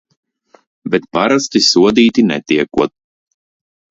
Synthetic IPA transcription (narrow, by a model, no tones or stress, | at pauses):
bɛt̪paɾast̪isuɔd̪iːt̪inɛt̪ʲiɛkuɔt̪̚